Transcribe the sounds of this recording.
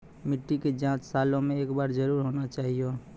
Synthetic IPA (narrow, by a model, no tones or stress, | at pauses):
mɪʈːiked͡ʒãt͡ʃsaːlõmẽeːkbaːɾd͡ʒəɾuːɾɦonat͡ʃaːɦijo